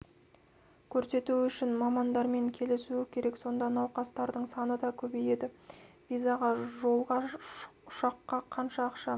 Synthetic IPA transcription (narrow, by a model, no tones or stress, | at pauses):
kʲʰɵɾse̞t̪uʏʃɪnmɑmɑnd̪ɑɾme̞ŋkʲʰe̞lɪsuɪkʲʰe̞ɾe̞kso̞nd̪ɑnɑwqɑst̪ɑɾd̪əɴsɑnəd̪ɑkʲʰɵbeje̞d̪ɪvʲijzaʁɑʒo̞lˠʁɑʊʃɑqːɑqʰɑnʃɑːqʃɑ